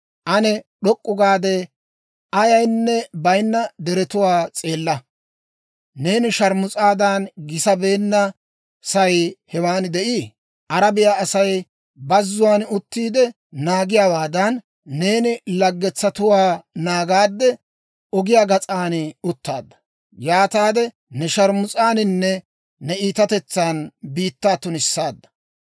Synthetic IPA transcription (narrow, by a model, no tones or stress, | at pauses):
ʔɐnɛɗɔkʼːʊɡaːd̪ɛ | ʔɐjɐjnːɛbɐjnːɐd̪ɛɾɛt̪ʊwaːt͡sʼe̞ːlːɐ | ne̞ːnɪʃɐɾmʊt͡sʼaːd̪anɡɪsɐbe̞ːnːɐ | sɐjhɛwaːnd̪ɛʔiː | ʔɐɾɐbɪjaːɐsɐj | bɐzːʊwaːnʊt̪ːiːd̪ɛ | naːɡɪjaːwaːd̪ɐnː | e̞ːnɪlɐɡːɛt͡sːɐt̪ʊwaːnaːɡaːd̪ːɛ | ɔɡɪjaːɡɐt͡sʼaːnɪʊt̪ːa̰ːd̪ːɐ̥ | jaːt̪aːd̪ɛ | nɛʃɐɾmʊt͡sʼaːnɪnːɛː | ɛiːt̪ɐt̪ɛt͡sːaːnbiːt̪ːaːt̪ːʊnɪsːaːd̪ːɐ̥